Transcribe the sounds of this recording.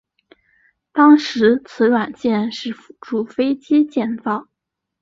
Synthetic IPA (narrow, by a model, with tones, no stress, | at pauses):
t̪ɑ˥ŋʂɻ̩˧˥t͡sʰɹ̩˧˥ɻwa˨˩nt͡ɕjɛ˥˧nʂɻ̩˥˩fʈ͡ʂu˨˥˩fe˥ɪt͡ɕi˥t͡ɕjɛ˥˧nfɑ˥˩ŋ